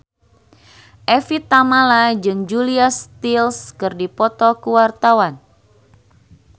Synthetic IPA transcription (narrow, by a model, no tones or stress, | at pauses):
ʔɛfit̪amalad͡ʒɨŋd͡ʒuliast̪ilskɨrdipɔt̪ɔkəwart̪awan